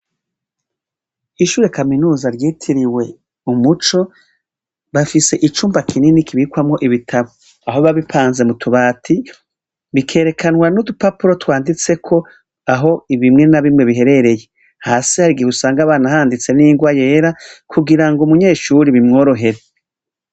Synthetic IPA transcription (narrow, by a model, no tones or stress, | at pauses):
iʃuːɾe̞kaminuːzaɾjiːtʰiɾiwe̞ | umut͡ʃo̞ | βafise̞ʔit͡ʃuːmbakʰininikʰiβikwamŋo̞ʔiβitʰaβo | aɦo̞βaβipʰaːnze̞mutʰuβaːtʰi | βikʰe̞ːɾe̞kʰanwanudupapuɾo̞twaːndit͡se̞kʰo̞ | aɦo̞iβimŋe̞naβimŋe̞βiɦe̞ɾe̞ɾe̞je̞ | haːsihaɾiɡiusaːŋɡaβaːnaɦaːndit͡se̞niːŋɡwaje̞ːɾakʰuɡiɾaŋɡomuɲe̞ːʃuɾiβimŋo̞ːɾo̞ɦe̞ɾe